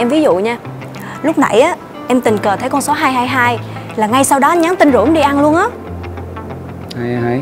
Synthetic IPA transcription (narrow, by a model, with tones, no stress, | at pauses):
ɛ˧mvi˨˦zṵ˧˨ɲaː˧ | lʊ˦˥k͡p̚na̰˧˩jʔaː˨˦ | ʔɛ˧mt̪ï˨˩ŋ̟kəː˨˩t̪ʰə˨˦jkɔ˧nso˨˦ɦaː˧jɦaː˧jɦaː˧j | laː˨˩ŋa˧jsa˧wɗɔ˨˦˧ɲa˨˦nt̪ï˧ŋ̟zṵ˧˩˦ə˦mɗi˧ʔa˧nlu˧ənʔaː˨˦ | ha˧a˧˩